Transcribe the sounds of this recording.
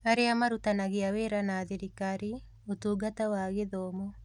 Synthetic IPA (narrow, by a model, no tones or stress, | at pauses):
aɾeamaɾutanaɣeaweɾanaːðiɾikaɾi | otuːɡatawaɣeðɔmɔ